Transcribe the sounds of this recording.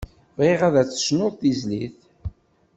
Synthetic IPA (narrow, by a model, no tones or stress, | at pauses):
vʁiʁæðæt͡sːə̥snoðˤθizliθ